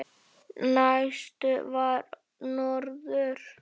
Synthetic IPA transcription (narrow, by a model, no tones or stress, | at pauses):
najst̪ʏvaɾ | nɔɾðʏɾ̥